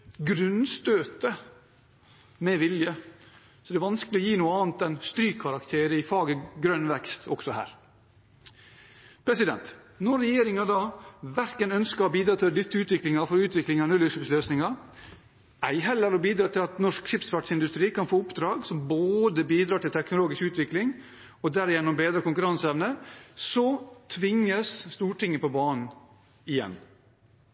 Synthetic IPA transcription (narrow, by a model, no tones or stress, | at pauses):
ɡɾʉnst̪øːt̪ə | mɛʋɪljə | sɔd̪ɛːʋɑnskəlɪɔjiːnuːəɑːnt̪̚d̪ɛnst̪ɾyːkʰːɑɾɑkt̪ʰeːɾəɪfɑːɡəɡɾœnʋɛkst̪ʰɔ̰ksɔhæ̰ːɾ | pʰɾɛsɪd̪ɛ̰nt̪ | nɔɾːɛjeːɾɪŋɑd̪ɑːʋæɾkənœnskəɾbiːd̪ɾɑːt̪ʰɪld̪ʏt̪ːəʉːt̪ʋɪklɪŋɑfɔɾʉːt̪ʋɪklɪŋɑnʉləʂɪpsløːsnɪŋɑ | æɪɦɛlːəɾɔbiːd̪ɾɑːt̪ɪlɑt̪nɔʂkʃɪpsfɑʈʂɪnd̪ʉst̪ɾiːkɑnfoːʊpd̪ɾɑːɡsɔmboːd̪əbiːd̪ɾɑːʈɪlt̪ʰɛknʊloːɡɪskʉːt̪ʰʋɪklɪŋ | ɔd̪æːɾɪjɛnːɔmbeːd̪ɾəkʊŋkʉɾɑnsɛʋnəsɔt̪ʰʋɪŋːəsst̪uːʈɪŋːəpɔbɑːnn̩ | ɪjɛ̰n